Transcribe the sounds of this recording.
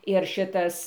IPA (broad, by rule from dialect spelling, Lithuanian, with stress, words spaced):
ɪr ˈʃʲɪtɐs